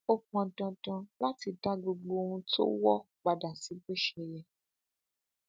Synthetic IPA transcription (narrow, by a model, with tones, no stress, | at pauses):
o˦˧k͡pɔ̃˧dɔ̃˧dɔ̃˧la˦ti˧da˦ɡ͡bo˧ɡ͡bo˧wũ˧tʰo̰˦wɔ˦ | ɡ͡ba˧da˨si˨˦ɡ͡be˦ʃɛ˧˨jɛ˨